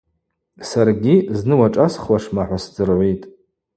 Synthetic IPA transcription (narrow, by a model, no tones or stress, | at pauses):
sarɡʲiznɨwaʈ͡ʂʼasχwaʂmaħʷasd͡zɨrʕʷitʼ